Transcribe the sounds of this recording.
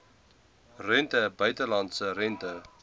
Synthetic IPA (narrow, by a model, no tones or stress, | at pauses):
rɛntəbœɥtəlɑntsərɛntə